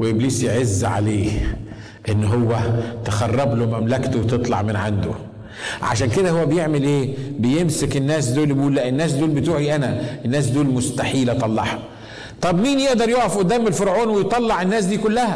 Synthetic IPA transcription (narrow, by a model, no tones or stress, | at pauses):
weʔebliːsjʕezːʕa̰leː | ʔenːɦowːæt̪axɑrˤːɑblomæmlækt̪owt̪ɨt̪ˤlɑ̰ʕmenʕand̪o̰ | ʕa̰ʃæːnked̪æhowːæbejeʕmelʔeːbejemsekenːæːs̬d̪oːlbiʔuːlːæʔenːæːs̬d̪oːlbet̪uːħiʔænæʔenːæːs̬d̪oːlmʊst̪aħiːlæt̪ˤɑlˤːɑħɑ | t̪ˤɑbmiːnjeʔd̪ɑɾˤjoːʔæfʔod̪ːæːmelfoɾʕoːnwejt̪ˤɑlːɑʕenːæːs̬d̪iːkʊlːæhæ